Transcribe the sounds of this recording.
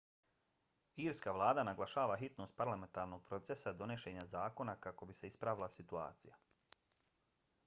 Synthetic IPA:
iːɾskaːʋlˠaːd̪anaɡlˠaʃaːʋaɦit̪no̞ːst̪̚paɾlame̞nt̪aːɾno̞ɡ̚pɾo̞t̪se̞sad̪o̞ne̞ʃe̞ːɲazaːko̞nakako̞bise̞ispɾaʋilˠasit̪ua̰ːt̪sija

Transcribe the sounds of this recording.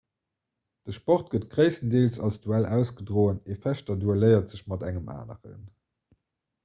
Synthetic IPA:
d̥əʃpɔχt̚ɡ̥ətɡ̥ʁəɪsəndeːlsɑlsd̥uælæʊsɡədʁoːəneːfæʃtɐduæləɪɐtz̥əɕmɑdæŋəma̰ːnə̰ʁə̰n

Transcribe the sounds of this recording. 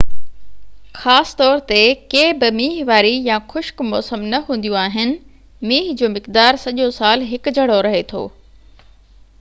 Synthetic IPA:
xaːsɪ̥t̪ɔːɾt̪ekeːbɪmiːɦʋaːɾijãxʊʃkmɔːsəmnɐɦũːn̆d̪jũaːɦɪnɪ̆ | miːɦd͡ʑoːmɪqd̪aːɾsɐʄosaːlɦɪkd͡ʑʱɐɽ̤oɾɐɦet̪ʰo̰ː

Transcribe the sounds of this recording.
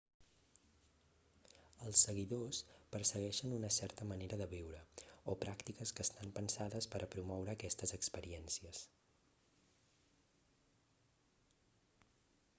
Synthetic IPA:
əlˠsːəɣiðospəɾsəɣɛʃənunəsɛɾt̪əməneɾəðəβiwɾəopɾʔakt̪ikəskəːst̪ampənsaðəspəɾəpɾumɔwɾəːkɛst̪əzəkspəɾiɛnsiəs

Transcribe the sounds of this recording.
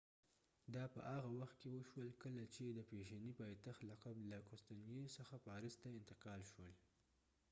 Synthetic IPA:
d̪ɑpə̰ʔaɣawaxt̪̚kewəʃwəlkəlat͡ʃed̪əpeʒanipɑjt̪axt̪laqablakʊst̪anjesəxapɑɾɪst̪aɪnt̪ɪqɑlʃwəl

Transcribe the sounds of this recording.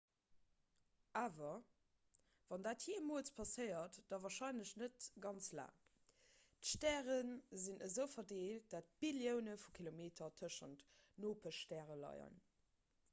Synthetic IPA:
ʔaːvɐ | vɑndaːthiːmuət͡spʰɑsəɪɐtd̥ɑvɑːɐʃɑɪnləɕnətɡɑnt͡sla̰ːŋ | təʃtɛːʁənzinʔəzəʊfɐdeːlt̚d̥at̚b̥iljəʊnəfukʰilomeːtʰɐtʰəʃəntnoːpʰəʃtɛːʁəlɑ̰ɪə̰n

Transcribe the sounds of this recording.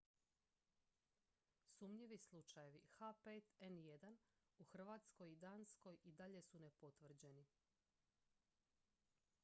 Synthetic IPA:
sumɲiʋislˠut͡ʃaje̞ʋixapeːt̪enje̞d̪an | uxr̩ʋaːt̪sko̞jid̪aːnsko̞jid̪aʎe̞sune̞po̞t̪ʋr̩d͡ʑe̞ni

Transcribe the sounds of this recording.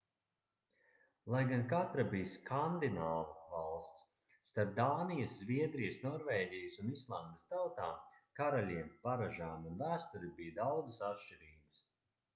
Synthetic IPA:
lˠajɡankat̪ɾabijskʰand̪inaːvɐvalˠst̪sː | t̪aɾp̚d̪aːnijɐszviɛd̪ɾijəsnɔɾvɛːɟʲijɐsunislˠand̪əst̪awt̪aːmkaɾalʲiɛmpaɾaʒaːmunvæːst̪uɾibijd̪awd̪zɨsat̪ʃt͡ʃiɾiːɡɨs

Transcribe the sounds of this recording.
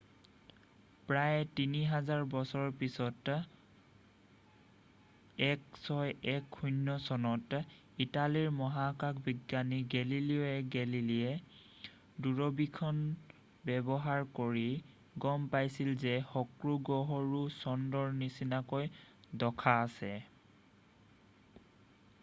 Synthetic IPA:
pɹajtiniɦazaɹbɔsɔɹɹpisɔt | ɛksɔjɛkʰːujnːɔsɔnɔt | italiɹmɔɦakakbiɡjaniɡɛliliɔɛɡɛliliɛ | duɹɔbikʰɔn | bɛbɔɦaɹkoɹi | ɡɔmpajsilzɛxɔkɹuɡɔɦɔɹusɔndɔɹnisinakojdɔkʰaːsɛ

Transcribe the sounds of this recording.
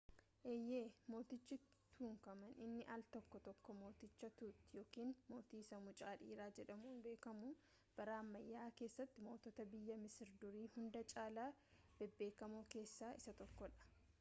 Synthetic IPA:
ʔɛjːeːmo̞ːt̪ɪt͡ʃːɪt̪ʰuːŋkɐmɐnɪnːɪʔalt̪ɔkːɔt̪ɔkːɔmo̞ːt̪ɪt͡ʃːɐt̪uːt̪ːɪjo̞ːkiːnmo̞ːt̪iːsɐmʊt͡ʃʼaːᶑḭːɾaːd͡ʒɛᶑɐmuːnbe̞ːkɐmuː | b̥ɐɾaːmːɐjːaːke̞ːsːɐt̪ːɪmo̞ːt̪ɔt̪ɐbɪjːɐmɪsɪɾd̪ʊɾiːhʊnd̪ɐt͡ʃʼaːlaːb̥ɛbːe̞ːkɐmoːke̞ːsːaːɪsɐt̪ɔkːɔᶑɐ̥

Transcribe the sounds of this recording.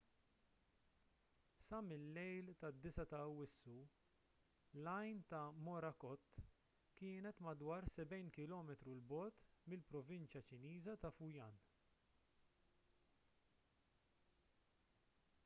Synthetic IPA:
sɐmɪlːɛjlt̪ɐd̪ːɪsɐt̪ɐwɪsːu | lɐjnt̪ɐmɔɾɐkɔt̪ː | kɪːnɛt̪mɐd̪wɐːɾsɛbɛjnkɪlɔːmɛt̪ɾulbɔːt̪mɪlpɾɔvɪnt͡ʃjɐt͡ʃɪniːzɐt̪ɐfujɐːn

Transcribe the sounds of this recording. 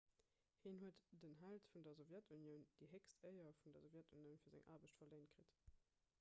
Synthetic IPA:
hiːnɦuətd̥ənɦæltfundɐzovjætʰunjəʊnd̥iɦekstəɪɐfundɐzovjætʰunjəʊnfiːɐzæ̰ŋʔa̰ːbəɕtfɐleɪnt̚kʁit

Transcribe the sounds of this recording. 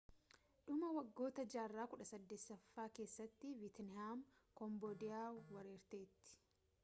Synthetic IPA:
ᶑʊmɐwɐɡːo̞ːt̪ɐd͡ʒaːrːaːkʊᶑɐsɐd̪ːɛsːɐfːaːke̞ːsːɐt̪ːɪvɪt̪nɪhaːmkɔmboːd̪ɪjaːwɐɾeːɾt̪e̞ːt̪ːɪ̥

